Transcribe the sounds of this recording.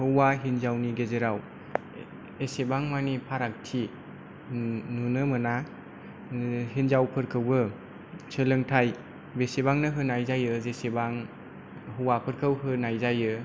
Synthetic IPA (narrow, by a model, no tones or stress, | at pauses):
hɯwaɦinzawniɡezeɾaw | esebaŋmanipʰaɾak̚tʰi | nunɯmɯna | ɦinzawpʰɯɾkʰɯwɯ | t͡ʃʰɯlɯŋtʰaj | besebaŋnɯɦɯnajzajɯzesebaŋ | hɯwapʰɯɾkʰɯwɦɯnajzajɯ